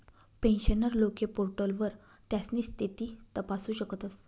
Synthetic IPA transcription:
pẽnɕənəɾlokepoɾʈəlʋəɾ | t̪jasniːst̪ʰit̪iːt̪əpasuːɕəkət̪əs

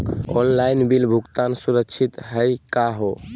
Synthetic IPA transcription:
ɔnlainbilbʱukt̪ansuɾəkt͡ʃʰit̪ɦəjkaɦo

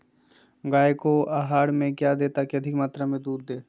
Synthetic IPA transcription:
ɡaːekoaːɦaːɽmẽkjad̪eːt̪akeɐd̪ʱɪkmaːt̪ɾamẽd̪uːɾd̪eː

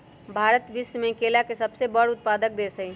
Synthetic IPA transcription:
bʱaɾət̪ʋismẽkelakesəbsebəɽʊt̪̚pad̪ək̚d̪esəi

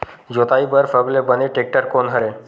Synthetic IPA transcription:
d͡ʑot̪ajbəɾfəɡlebəneʈek̚ʈəɾkonɦəɾe

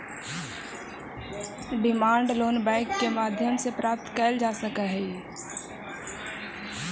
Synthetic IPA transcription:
ɖɪmaːɳɖloːnbɛ̃ɪkːemaːd̪ʱjəmsepɾaːp̚t̪kəːld͡ʒaːsəkəɦɛ

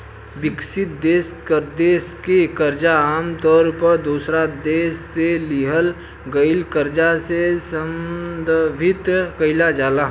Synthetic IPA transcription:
bɪksɪt̪̚d̪eːskəɾd̪eːskekəɾd͡ʒaaːmt̪ɔːɾpəɾd̪uːsɾad̪eːsːeliɦəl | ɡəɪlkəɾd͡ʒasesəmd̪əbʱɪt̪kɐɪlad͡ʒaːlaː

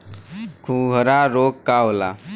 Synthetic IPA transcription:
kʰuɡʱɾaɾokkawla̰

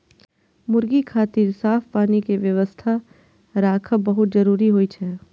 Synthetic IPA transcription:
mʊɾɡikʰaːt̪iːɾsaːfpaːnikeʋjɐʋəst̪ʰa | ɾaːkʰəbɐɦʊt̪̚d͡ʒɐɾuːɾiɦoːit͡ʃʰɛː

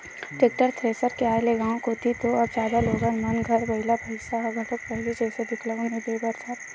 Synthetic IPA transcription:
ʈek̚ʈəɾt̪ʰɾeːsəɾkeaːeleɡãːw̃koːt̪it̪oɐbd͡ʒjaːd̪aloːɡə̃nmɐnɡʱɐɾbɐɪlabʱɐɪsaɦɐɡʱɐʈək̚pɛɦlid͡ʒɛːsed̪ɪkʰləõnid̪eːbəɾt͡ʃat̪

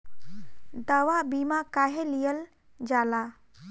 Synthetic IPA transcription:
d̪əwabimakaːɦelijəl | d͡ʒaːla

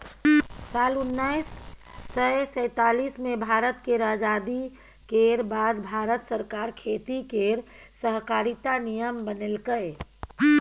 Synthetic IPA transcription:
salunːajsːəjsə̃ɪt̪alismebʱaɾət̪keɾad͡ʒad̪i | keɾbad̪bʱaɾət̪səɾkaɾkʰet̪ikeɾ | səɦkaɾit̪anijəmbənelkəj

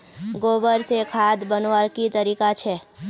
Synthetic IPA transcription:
ɡoːbəɾsekʰaːd̪bənoəɾkit̪əɾiːkat͡ʃʰɛː

